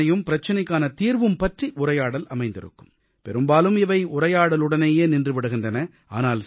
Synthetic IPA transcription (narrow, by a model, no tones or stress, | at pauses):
ɐjɯmpɪɾɐt͡ʃːɐnɐɪkːaːnɐt̪iːɾʋɯmpɐʈriʔʊrɐjaːɽɐlʔɐmɐɪnd̪ɪ̰ɾɯ̰kːɯm | pɛ̰ɾɯmbaːlɯmɪʋɐɪʊɾɐjaːɽɐlɯɽɐneːjeːnɪndrɯʋɪɽɯɣɪndrɐnɐ | a̰ːnaːl